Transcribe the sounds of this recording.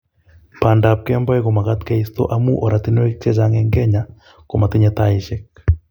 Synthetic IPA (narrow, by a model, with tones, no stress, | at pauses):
pa˨ndap̚kɛ˦mbɔ˦ɛ˦ko˨ma˨kat̪kaist̪o̰˦ʔa˦mu˦ʔɔ˨ɾa˨t̪i˦nɔ˦ɛk̚tɛ˦d͡ʒa˦ŋɛŋɡɛ˦ɲa | ko˨ma˨t̪i˦ɲɛt̪aiʃɛk̚